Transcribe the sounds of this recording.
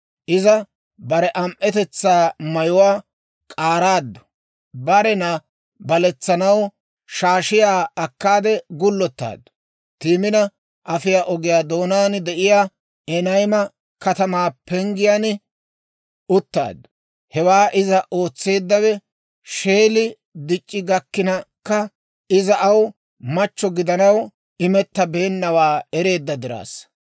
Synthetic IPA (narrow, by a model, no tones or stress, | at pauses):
ʔɪzɐ | bɐɾɛʔɐmʔɛt̪ɛt͡sːaːmɐjʊwaː | kʼaːɾaːd̪ːʊ̥ | bɐɾɛna | bɐlɛt͡sːɐnɐw | ʃaːʃɪjaːɐkːaːd̪ɛɡʊlːɔt̪ːa̰ːd̪ʊ | t̪iːmɪnɐ | ʔɐfɪjaːʔɔɡɪjaːd̪oːnaːnd̪ɛʔɪjaː | ɛnɐjmɐ | kɐt̪ɐmaːpɛŋɡɪjaːn | ʊt̪ːa̰ːd̪̚ | hɛwaːʔɪzɐʔo̞ːt͡sːe̞ːd̪ːɐwɛ | ʃe̞ːlɪ | d̪ɪt͡ʃʼːɪɡɐkːɪnɐkːɐ | ɪzɐʔɐw | mɐt͡ʃːɔɡɪd̪ɐnɐw | ɪmɛt̪ːɐbe̞ːnːɐwaːɛɾe̞ːd̪ːɐd̪ɪɾa̰ːs